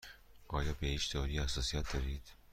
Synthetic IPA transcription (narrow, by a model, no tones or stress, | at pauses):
ɒːjɒːbehiːt͡ʃt̪ʰeɒɾiːhæsɒːsijæt̪̚d̪ɒːɾiːd̪̥